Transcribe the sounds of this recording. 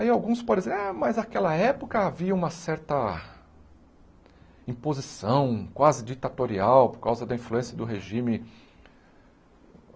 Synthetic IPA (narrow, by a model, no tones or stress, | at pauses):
aiawɡũspɔɾɪzeɛmɐzakɛlɐɛpokɐaviɐũmɐsɛɾt̪ɐ | ĩpozisɐ̃w̃kwazɪd͡ʒit̪at̪oɾiawpoɾkawzɐd̪ɐĩfluẽsjɐd̪ʊɦeʒĩmɪ